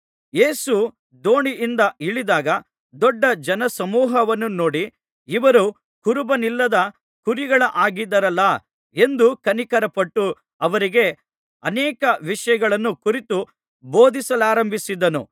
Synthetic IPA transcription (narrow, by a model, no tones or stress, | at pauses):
je̞ːsu | d̪o̞ːɳiʔːnd̪ɐʔiɭid̪aːɡɐ | d̪ɔɖːɐd͡ʒɐnɐsɐmuːɦɐʋɐnːuno̞ːɽiː | ʋɐɾu | kuɾubɐnilːɐd̪ɐ | kuɾiɡɐɭɐʔaːɡid̪ɐɾɐlːɐ | e̞nd̪ukɐnikɐɾɐpɐʈːu | ɐʋɐɾiɡe̞ | ɐnɛːkɐʋiʂɐjɐɡɐɭɐnːukuɾit̪u | boːd̪isɐlaːɾɐmbʱisid̪ɐnṵ